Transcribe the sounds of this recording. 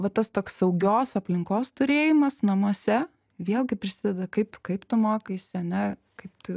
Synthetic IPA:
ʋɐt̪ɐst̪oːksɐʊɡʲoːsɐpʲlʲɪŋkoːst̪ʊɾʲeːjɪmɐsnɐmuɔsʲɛ | ʋʲeːlˠɡʲɪpʲɾʲɪsʲɪd̪ʲɛd̪ɐkɐɪpkɐɪpt̪ʊmoːkɐɪsʲɪɐnʲɛ | kɐɪpt̪ʲɪ

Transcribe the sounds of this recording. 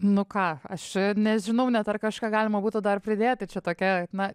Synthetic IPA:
nʊkɑːɐʃnʲɛʒʲɪnɐʊnʲɛt̪ɐrkɑʃkɑːɡɑːlʲɪmɐbuːt̪ʊd̪ɐrpʲɾʲɪd̪ʲeːt̪ʲɪt͡ʃʲɛt̪oːkʲɛnɐ

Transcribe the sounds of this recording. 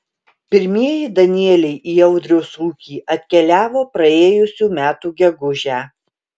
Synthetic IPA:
pʲɪɾʲmʲiɛjɪd̪ɐnʲɪɛlʲɛɪʔiːɛʊd̪ʲɾʲɛʊsuːkʲiːʔɐt̪ʲkʲɛlʲæːʋoːpɾɐeːjʊsʲuːmʲæːt̪uːɡʲɛɡʊʒʲæː

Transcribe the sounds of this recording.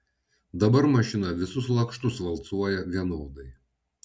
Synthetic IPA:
d̪ɐbɐɾmɐʃʲɪnɐʋʲɪsʊslˠɐkʃt̪ʊsʋɐlˠt̪suɔjɛʋʲiɛnoːd̪ɐɪ

